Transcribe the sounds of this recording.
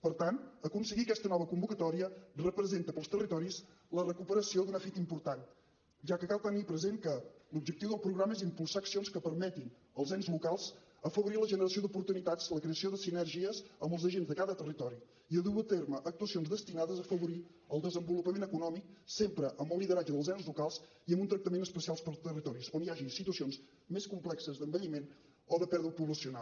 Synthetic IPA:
pəɾt̪ant̪əkunsəɣiəkɛst̪ənɔβəkumbukət̪ɔɾiərəpɾəzent̪əpəlˠst̪ərit̪ɔɾis | lərəkupəɾəsiod̪unəfit̪impuɾt̪an | ʒakəkalˠt̪ənipɾəzenkəlub̚d͡ʒək̚t̪iwðəlˠpɾuɣɾaməezimpulˠsaəksionskəpəɾmɛt̪in | əlˠzɛnzlukalˠz̥ | əfəβuɾiləʒənəɾəsiod̪upuɾt̪unit̪at͡sləkɾeəsioðəsinɛɾʒiəzəmbəlˠzəʒenzðəkaðət̪ərit̪ɔɾi | iəðuət̪erməʔək̚t̪uəsionzðəst̪inaðəzəfəβuɾi | əlˠd̪əzəmbulupəmenəkunɔmik̚sempɾəʔəmbəlːiðəɾad͡ʒəðəlˠzɛnzlukalˠz | iəmbunt̪ɾək̚t̪əmenəspəsialˠspəɾt̪ərit̪ɔɾisoniaʒisit̪uəsionz | meskumplɛksəzd̪əmbəʎimen | ɔðəpɛɾðɾupuβləsiuna

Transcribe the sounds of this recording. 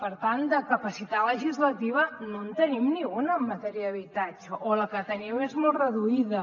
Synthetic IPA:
pəɾt̪ant̪d̪əkəpəsit̪at̪ləʒizlət̪iβ̞ənont̪ənimniŋɡunəmːət̪ɛɾiəəβit̪ad͡ʒəʔoləkət̪əniwezmolˠrəðuiðə

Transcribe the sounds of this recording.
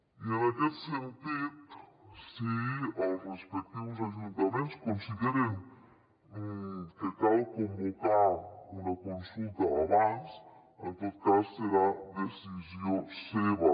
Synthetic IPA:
ienɐkelsẽnt̪iðusiawrespɛk̚t̪ivuzɐʒũnt̪ɐmẽnt̪uskõnsiɣeɾẽj̃ | ũt̪ek̪aɾkõmbokaɾumɐkõnsulˠt̪ɐaβãs | ẽnt̪oðukazuseɾad̪esizjõseβɐ

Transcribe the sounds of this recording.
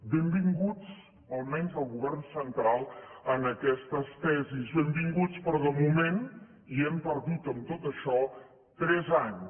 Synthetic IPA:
bembiŋɡut͡s | əlˠmɛɲzðəlˠɣuβɛrnsənt̪ɾalˠənəkɛst̪əst̪ɛzizβembiŋɡut͡spɾɔðəmumen | iɛmpəɾðut̪əmt̪ot̪əʃɔ | t̪ɾɛzaɲs

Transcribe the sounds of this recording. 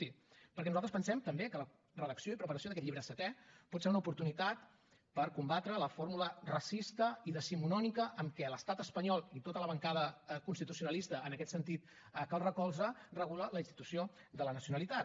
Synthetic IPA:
si | pəɾkɛnuzalt̪ɾəspənsɛmt̪əmbekələ | rəðəksioipɾəpəɾəsioðəkɛt̪ʎiβɾəsət̪ɛpɔt̪seunəupuɾt̪unit̪at̪ | pəɾkumbat̪ɾələfoɾmulərəsist̪əiðəsimunɔnikəʔəmkɛləst̪at̪əspəɲɔlˠit̪ot̪ələβəŋkaðəkunst̪it̪usiunəlist̪əːnəkɛt̪sənt̪it̪̚ | əkalˠrəkɔlˠzərəɣulələinst̪i̥t̪usiod̪ələnəsiunəlit̪a

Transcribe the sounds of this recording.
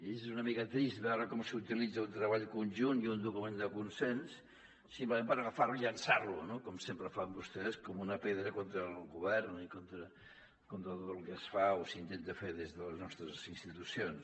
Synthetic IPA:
ezzunəmikət̪ɾist̪bɛwɾəkɔmsiut̪ilid͡zəunt̪ɾəβaʎkunʲʒuniund̪ukumend̪əkunsensː | impləmẽnpəɾəɣəfarluiʎənsarlunokɔmsempɾəfambust̪eðskɔmunəpeðɾəkont̪ɾəlˠɣuβɛrnikont̪ɾə | kont̪ɾəðəlkɛsfaosint̪ent̪əfeðezðələznɔst̪ɾəzinst̪it̪usions

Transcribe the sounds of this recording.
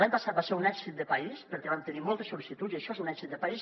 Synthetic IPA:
laɲpəsat̪̚baseɾunɛkzit̪̚d̪əpəispəɾkɛβant̪ənimɔlˠt̪əsolisit̪utziəʃɔezunɛksit̪̚d̪əpais

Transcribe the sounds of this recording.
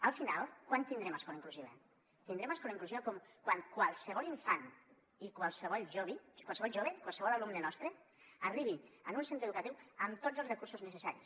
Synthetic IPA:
əlˠfinalˠkwant̪ind̪ɾemaskɔlaiŋkluziβḛ | t̪ind̪ɾemaskɔlaiŋkluziokɔmkwaŋkwalˠseβɔliɱfan | ikwalˠseβɔlˠʒoβikwalˠseβɔlˠʒoβeikwalˠseβɔlalumnenɔst̪ɾeariβ̞iənunsent̪ɾeðukat̪iwəmt̪od͡zzəlzrekuɾsoznesesaɾḭs

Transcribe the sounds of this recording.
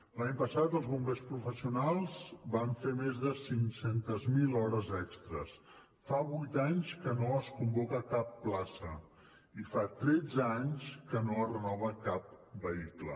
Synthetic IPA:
laɲpəsat̪əlˠzβumbespɾufəsiunalˠzbaɱfemezðəsiŋsent̪əzmilɔɾəzɛkst̪ɾə̰s | faβujt̪aɲskənoəskumbɔkəkapːlasə | ifat̪ɾɛd͡zəaɲskənoərənɔβ̞əkap̚bəiklə̰

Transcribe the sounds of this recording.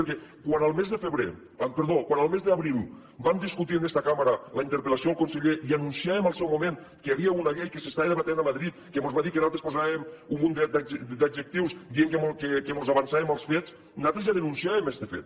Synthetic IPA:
eɾkɛkwanalˠmezðəfeβɾḛ | peɾðokwanalˠmezðeaβɾilˠ | bamd̪iskut̪ienest̪akamaɾalaint̪eɾpelasiolˠkunseʎeʔianunsiaβemalˠsɛwmumẽn | keaβiaunaʎejkesest̪aeðeβat̪enamaðɾit̪kemozβaðikenalˠt̪ɾespozaβemummund̪ed̪ad͡ʒd̪ad͡ʒek̚t̪iwsd̪ieŋkemokekemozaβansaemalˠsfet͡s | nat̪ɾezjaðenunsiaβemest̪efḛt̪

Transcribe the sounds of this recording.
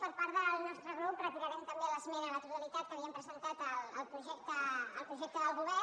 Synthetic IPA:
pəɾpaɾðəlˠnɔst̪ɾəɣɾuprət̪iɾəɾɛmt̪əmbeləsmeɾələt̪ut̪əlit̪at̪̚kəβiəmpɾəzənt̪at̪ələlˠpɾuʒɛk̚t̪əːlˠpɾuʒɛk̚t̪əðəlˠɣuβɛ

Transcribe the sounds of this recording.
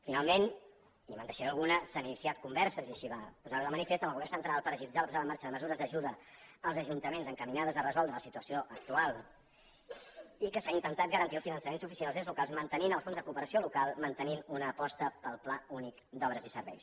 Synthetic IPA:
finalˠmen | imənt̪əʃɾoəlˠɣunəsaninisiat̪̚kumbɛɾsəziəʃiβapuzaɾuðəmənifest̪əmlˠɣuβɛɾrnsənt̪ɾalˠpəɾəʒilid͡zaləpuzaðəmaɾt͡ʃəðəməzuɾəzðəʒuðəːlˠzəʒunt̪əmenzəŋkəminaðəzərəzɔlˠd̪ɾələsit̪uəsioʔək̚t̪ualˠ | ikəsaint̪ənt̪at̪ɡəɾənt̪iəlˠsfinənsəmenzufisialˠzizlukalˠzmənt̪əninəlˠsfonzðəkuːpəɾəsiolukalˠmənt̪əninunəːpɔst̪əpəlˠplaunikd̪ɔβɾəzisəɾβɛ̰js

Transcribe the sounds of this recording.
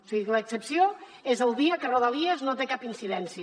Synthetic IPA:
siɣikələksəpsio | ezəlˠd̪iəkəroðəliəznot̪ekapinsiðɛnsiə

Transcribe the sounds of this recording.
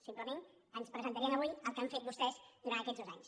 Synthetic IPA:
simpləmen | ənspɾəzənt̪əɾiənəβujəlˠkamɱfet̪bust̪ɛzd̪uɾant̪əkɛd͡zðozaɲs

